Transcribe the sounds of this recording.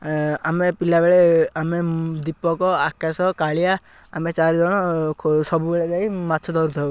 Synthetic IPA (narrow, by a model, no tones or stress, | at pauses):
amepilabeɭeamed̪ipːɔkɔakasɔkaɭija | amet͡ʃaɾd͡ʒɔɽ̃ɔsɔbubeɭɛd͡ʒaimat̪ːt͡ʃʰɔd̪ɔɾut̪ʰɔ